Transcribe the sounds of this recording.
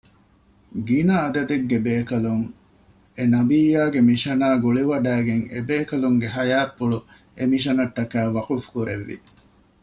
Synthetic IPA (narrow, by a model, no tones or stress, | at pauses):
ɡinɐːd̪ɐd̪eɡːebeːkɐluŋ | enɐbijaːɡemiʃɐnaːɡuɭiʋɐɖæːɡeŋḛbeːkɐluŋɡeɦɐjaːpːuɭu | emiʃɐnɐt̪ːɐkæːʋɐqufu̥kuɾeʋːḭ